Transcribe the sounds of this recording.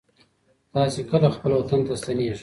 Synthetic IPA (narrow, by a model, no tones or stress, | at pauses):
t̪ɑːsekəlaxpəlwat̪ant̪ast̪aneʐ